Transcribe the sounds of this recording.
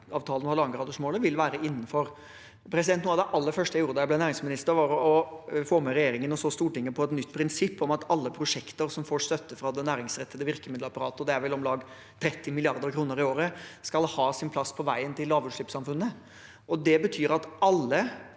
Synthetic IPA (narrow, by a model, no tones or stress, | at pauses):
ɑːʋt̪ʰɑːlənhɑɾlɑŋɡɾɑːd̪ɔʂmoːləʋɪlʋæːɾəʔɪnːn̩fɔɾ | pʰɾɛsɪd̪ɛnt̪nuːɑd̪ɛʔɑlːəɾfœʂʈəjæɪjuːɾəd̪ɑjæblɛnæːɾɪŋsmɪnɪst̪əɾʋɑɾɔfoːmɛɾɛjeːɾɪŋənɔsoːst̪uːʈʰɪŋːəpʰɔɛt̪nʏt̪ːpʰɾɪnsɪpːɔmɑt̪ɑlːəpʰɾʊʂɛkt̪əɾsɔmfoːʂt̪œt̪ːəfɾɑd̪ɛnæːɾɪŋsɾɛt̪ːəd̪əʋɪɾkəmɪd̪ləɑpɑɾɑːt̪əɔd̪ɛæɾʋɛlɔmlɑːɡ | t̪ʰɾɛt̪ːɪmɪlɪɑɾd̪əɾkʰɾuːnəɾɪoːɾəskɑlhɑːsɪnpʰlɑspʰɔʋæɪənt̪ʰɪlːɑːʋʉːʂɭɪpsɑmfʉnːə | ʔɔd̪ɛbət̪ʰyːɾɑt̪ɑlːə